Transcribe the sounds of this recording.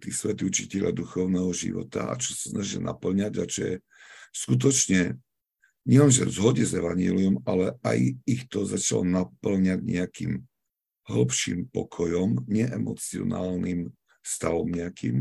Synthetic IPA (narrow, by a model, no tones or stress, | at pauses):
t̪isʋɛt̪ut͡ʃicɛʎad̪uxɔʊnɛːɦɔʒḭʋɔ̰t̪a̰a̰t͡ʃɔ̥sḁsnaʒilna̰pl̩ɲaɟat͡ʃɔjɛ | skut̪̬ɔt͡ʃɲɛ | ɲɛlɛnʒɛ̰zɦɔɟɛzɛʋaɲɪɛliɔmalɛajixt̪ɔzat͡ʃalɔnapl̩ɲaɟɲɛakiːm | ɦl̩pʃḭmpɔkʰɔjɔmɲɛʔɛmɔt͡siɔ̰naːlnim | st̪aʋɔmɲɛakḭːm